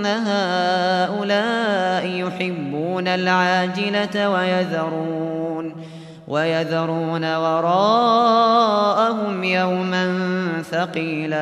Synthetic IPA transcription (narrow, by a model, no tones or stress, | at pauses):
naɦaːʔʊlaːʔɪjʊħɪbːuːnalʕaːd͡ʒɪlawajaðɑɾˤuːn | wʔajaðɑɾˤuːnawɑɾˤɑː | ʔaɦʊmjawmanθɑqiːla